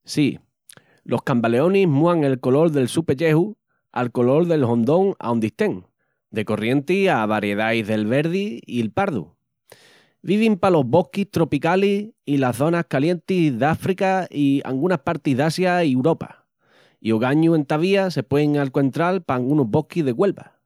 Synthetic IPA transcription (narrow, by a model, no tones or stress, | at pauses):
si | lʔo̞hkambale̞o̞niɦmuaŋe̞lko̞lo̞ɾðe̞lsupe̞ʎe̞hu | a̰lko̞lo̞ɾðe̞lɦõ̞nd̪o̞ŋa̰ond̪iht̪e̞ŋ | d̪e̞ko̞rje̞nt̪iaβ̞aɾje̞ðajɦðe̞lβe̞ɾðiːelpaɾðṵ | βiβ̞impalo̞ɦβo̞hkist̪ɾo̞pikaliilaθo̞nahkalje̞nt̪iðafɾikaia̰ŋɡunahpaɾt̪iɦðasjaiewɾo̞pa̰ | ioɣaɲuẽ̞nt̪aβiase̞pweŋalko̞nt̪ɾalpaŋɡunoɦβo̞hkizðe̞ɣwe̞lβa̰